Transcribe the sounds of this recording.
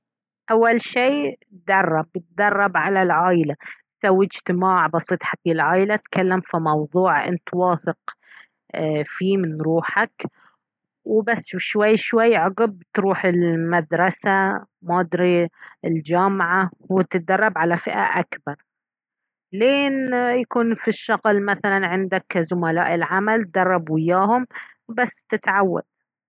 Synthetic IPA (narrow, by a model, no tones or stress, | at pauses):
ʔawːalʃiːtd̪ɑrˤːɑbɪt̪̚d̪ɑrˤːɑbʕalalʕaːjlat̪sawːid͡ʒt̪ɪmaːʕbɑsˤiːt̪ˤħakilʕaːjlat̪kʰalːamfimɑwðˤuːʕʔɪ̰nt̪wɑːθɪq | fiːmɪnɾuːħak | wɪbasːwʃwajːʃwajːʕʊɡɪb̚t̪ɾuːħɪlmad̪ɾˤɑsamaːd̪ɾiɪld͡ʒaːmʕawɪt̪ɪd̪ɑrˤːɑbʕalafɪʔa̰ʔakbɑɾˤ | leːnjakuːnfiʃːɑɣlmaθalanʕɪnd̪akzʊmala̰ːʔɪlʕamalt̪̚d̪ɑrˤːɑbwɪjːaːhʊmbasːt̪ɪt̪ʕawːa̰d̪̚